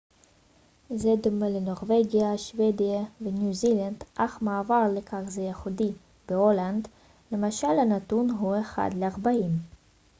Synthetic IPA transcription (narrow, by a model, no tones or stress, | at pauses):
zed̪omeleno̞ʁveɡijaʃved̪ijavenjuziland̪ʔaχmaːvaʁlekʰaχzejeχud̪i | b̥eoland̪ | le̞maʃalhanat̪unɦueχa̰d̪leaʁbaim